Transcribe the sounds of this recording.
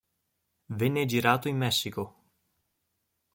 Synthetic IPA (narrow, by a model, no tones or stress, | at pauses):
venːed͡ʒiɾaːt̪oimːɛsːiko